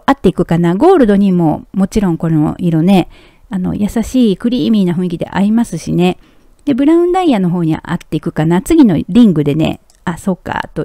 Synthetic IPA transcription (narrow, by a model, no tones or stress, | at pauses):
at̪ːe̞ikɯ̟kanaɡo̞ːɾɯ̟d̪o̞ɲ̟imo̞̰mo̞t͡ɕiɾõ̞ŋko̞no̰iɾone̞ | ano̞̰jasaɕiːkɯ̟ɾʲiːmʲiːnaɸɯ̟̃ikʲid̪e̞̰ʔa̰ɾʲimasɨɕine̞ | d̪̥e̞bɯ̟ɾãɯ̟̃nd̪aijano̞ɦo̞ːɲ̟iβa̰ʔa̰t̪ːe̞ikɯ̟kanat͡sɨɡʲino̞̰ɾʲĩŋɡɯ̟d̪e̞ne̞̰ | aso̞ːka̰t̪o̞